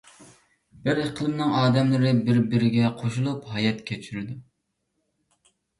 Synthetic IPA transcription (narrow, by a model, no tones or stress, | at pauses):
bɪɾeqʰəlˠɨmnɨŋɑːd̪ɛmlˠɨɾɪbɪɾbɪɾɪɡʲɛqʰoʃulˠuphɑjɛt̪kʲʰet͡ʃʰyɾyd̪u